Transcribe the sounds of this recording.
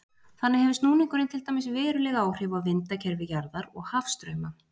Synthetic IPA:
θanːɪhɛvɪst̪nuːniŋkʏɾɪnt̪ʰɪlt̪ajmɪsvɛːɾʏlɛɣaːwr̥ɪvavɪnt̪acʰɛɾvɪjaɾðaɾɔɣhafst̪ɾœːɥma

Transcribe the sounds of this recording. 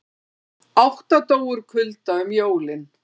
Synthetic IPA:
awht̪at̪oːwʏɾ̥kʰʏlt̪aʏmjoːwlɪn

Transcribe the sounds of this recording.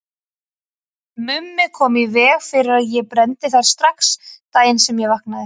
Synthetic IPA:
mʏmːɪkʰɔːmivɛːɣfɪɾɪɾaðjɛpɾɛnt̪ɪθaɾ̥st̪ɾahkst̪aːjɪnsɛmjɛvahknaðɪ

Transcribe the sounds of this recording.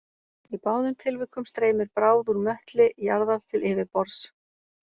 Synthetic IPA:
ipaːwðʏnt̪ʰɪlvʏhkːʏmst̪ɾeːjmɪɾpɾaːwðuɾmœht̪lɪʔijaɾðaɾ̥t̪ʰɪlʔɪːvɪpɔɾs

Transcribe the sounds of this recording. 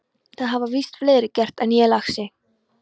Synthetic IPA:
θaðɦavavist̪fleːɾɪcɛr̥t̪ɛnjɛlaxsɪ

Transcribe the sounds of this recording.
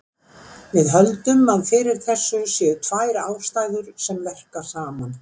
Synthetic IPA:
vɪðɦœlt̪ʏmaðfɪɾɪɾ̥θɛsːʏsjɛt̪ʰvaːjɾaːwst̪ajðʏɾ̥sɛmvɛr̥kḁsaːman

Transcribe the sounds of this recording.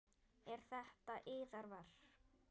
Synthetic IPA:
ɛɾ̥θɛht̪aʔɪːðaɾvaɾ̥

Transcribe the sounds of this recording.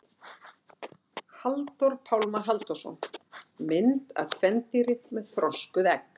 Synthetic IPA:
halt̪ɔɾpʰawlmaɦalt̪ɔ̥sɔ̰nmɪnt̪a̰ðfɛnt̪iɾɪmɛðθɾɔskʏðɛk

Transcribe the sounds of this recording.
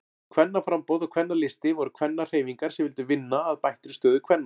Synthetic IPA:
kʰvɛnːafɾampɔwðakʰvɛnːalɪst̪ɪvɔɾʏkʰv̥ɛnːar̥eːjviŋkaɾ̥sɛmvɪlt̪ʏvɪnːaːðpajht̪ɾʏ̥st̪œːðʏkʰvɛnːa

